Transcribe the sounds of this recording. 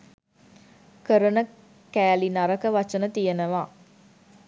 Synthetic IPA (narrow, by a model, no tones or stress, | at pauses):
kəɾənə | kæːlinɐɾəkəʋat͡ʃənət̪ijenəʋaː